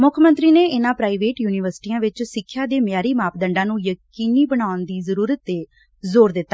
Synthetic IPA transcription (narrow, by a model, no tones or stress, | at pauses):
mʊkʰmə̃nt̪ɾiːneːɪnãːpɾaːiːʋeːʈjuːniːʋəɾsʈiːãːʋɪt͡ʃsɪkʰːjaːd̪eːmjaːɾiːmaːpd̪əɳɖãːnũːjəkiːniːbəɳaːʊnd̪iːzəɾuːɾət̪ːeː | zoːɾd̪ɪt̪ːaː